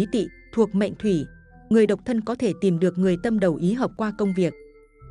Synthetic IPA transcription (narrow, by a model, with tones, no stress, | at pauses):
i˨˦t̪ḭ˧˨ | t̪ʰu˨˩ək̚ma̰˧˨jŋ̟t̪ʰwi˧˩ | ŋɨ˨˩əjɗə˨˩wk͡p̚t̪ʰə˧nkɔ˨˦t̪ʰe˧˩t̪i˨˩mɗɨ˨˩ək̚ŋɨ˨˩əjt̪ə˧mɗə˨˩wʔi˨˦ɦəː˨˩p̚kwaː˧kə˧wŋ͡mvi˨˩ək̚